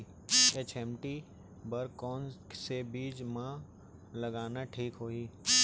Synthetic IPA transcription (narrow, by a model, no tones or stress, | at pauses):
eːt͡ʃeːmʈi | bɐɾkɔːnsebiːd͡ʒmã | lɐɡaːnaʈʰiːkɦoːiː